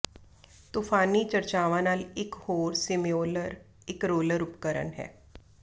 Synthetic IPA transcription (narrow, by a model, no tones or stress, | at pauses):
t̪ufʰaːnit͡ʃəɾt͡ʃaːʋãnaːlɪkhoːɾsɪmioːləɾ | ɪkɾoːləɾʊpkəɾə̰nɦɛ̰ː